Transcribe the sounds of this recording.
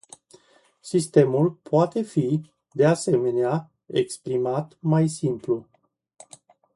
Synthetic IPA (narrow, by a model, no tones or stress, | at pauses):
sist̪e̞mulpoat̪e̞fi | d̪e̞ase̞me̞nea | ekspɾimat̪majsimplu